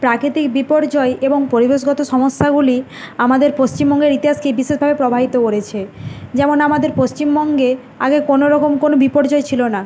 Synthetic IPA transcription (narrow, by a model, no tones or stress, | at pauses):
pɾakɾit̪ikbipoɾd͡ʑɔeeboŋpoɾibeʃ̬ɡɔt̪oʃɔmoʃːaɡuli | amad̪eɾpost͡ɕimbɔŋɡeɾit̪iɦaskebiʃeʃbʱabepɾobʱaɦit̪okoɾet͡ɕʰed͡ʑɛmonamad̪eɾpost͡ɕimbɔŋɡe | a̰ɡekonoɾɔkomkonobipoɾd͡ʑɔet͡ɕʰilona